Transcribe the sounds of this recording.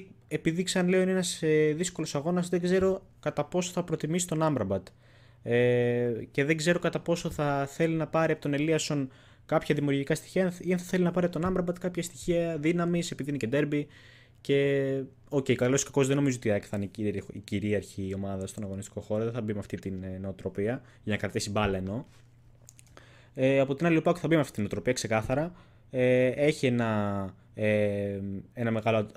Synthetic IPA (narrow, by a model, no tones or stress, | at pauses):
e̞piðikseɐnle̞o̞inenɐseðisko̞lo̞sɐɣo̞nɐzðeɡze̞ɾo̞ | kɐt̪ɐpo̞soθɐpɾo̞t̪imisi̥t̪o̞nɐmbɾɐbɐt̪ | ece̞ðe̞ɡze̞ɾo̞kɐt̪ɐpo̞so̞θɐθe̞linɐpɐɾiɐpot̪o̞ne̞liɐso̞n | kɐpçɐðimiuɾʝikɐst̪i̥çiɐiɐnθɐθe̞linɐpɐɾiɐpot̪o̞nɐmbɾɐbɐt̪kɐpçɐst̪içiɐðinɐmise̞piðineced̪e̞ɾbi | ce̞ | o̞ceikɐloskɐko̞zðeno̞mizoo̞t̪iekθɐniiiciɾiɐɾçio̞mɐðɐst̪onɐɣo̞nist̪iko̞xo̞ɾoðeθɐbimeɐft̪it̪inneot̪ɾo̞piɐ | ʝɐnɐkɾɐt̪isibɐlɐeno̞ | eɐpo̞t̪inɐlilipɐoceθɐbimeɐft̪it̪inot̪ɾo̞piɐkse̞kɐθɐɾɐ | eeçie̞nɐ | e | enɐme̞ɣɐlo